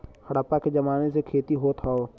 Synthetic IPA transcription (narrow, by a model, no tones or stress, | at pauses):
xɐɽaːpaked͡ʒɐmaːnesekʰeːt̪iɦoːt̪ʰaoː